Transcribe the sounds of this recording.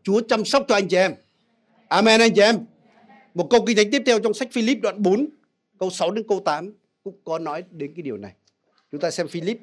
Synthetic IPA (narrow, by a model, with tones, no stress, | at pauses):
t͡ɕu˨˦ət͡ɕa˧msa˦˥wk͡p̚t͡ɕɔ˧ʔa˧jŋ̟t͡ɕi˨ʔɛ˧m | ʔaː˧mɛ˧nʔa˧jŋt͡ɕi˧˨ɛ˧m | mo˨˩t̚kə˧wk̬i˧ŋa˨˦ŋ̟t̪i˦˥p̚t̪ʰwt͡ɕɔ˧wŋ͡msa˦˥jk̟̚fi˧li˦˥p̚ɗwa̰ː˧˨nɓo˨˦n | kə˧wsa˨˦wɗe˨˦nkə˧wt̪aː˨˦m | kʊ̰˧˥ŋ͡mkɔ˨˦nɔ˨˦jɗe˨˦nkaː˨˦ɗi˨˩əwna˨˩j | t͡ɕʊ˨˦ŋ͡mt̪aː˧sɛ˧mfi˧li˦˥p̚